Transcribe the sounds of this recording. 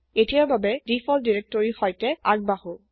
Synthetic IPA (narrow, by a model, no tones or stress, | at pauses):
etijaɹbabɛdifʰɔldiɹɛk̚tɔɹixɔjtɛaɡ̚bahu